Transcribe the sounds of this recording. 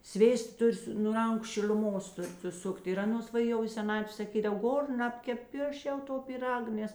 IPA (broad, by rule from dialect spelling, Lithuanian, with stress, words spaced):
ˈsʲʋʲeːstɐ ˈtʊrʲ sʊ nʊ ˈrɐŋkʊ ʃʲɪlʲʊˈmoːs ˈtʊrʲ sʊˈsʊktʲ ɪr ˈɑːˌnoːs ʋɐ ˈjɛʊ ɪ sʲɛˈnɑːtʲʋʲeː sɐˈkʲiːdɐw ˈɡoːr ˈnɑːpʲkʲɛp ɪ ˈɐʃ jɛʊ ˈtoː pʲiːˈrɐk ˈnʲɛs